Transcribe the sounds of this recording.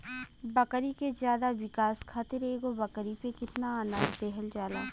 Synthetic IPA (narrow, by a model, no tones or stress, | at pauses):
bɐkɾikezjaːd̪aʋɪkaːskʰaːt̪ɪɾeːɡobɐkəɾipekɪt̪naaːnad̪ɛɦəld͡ʒaːlaː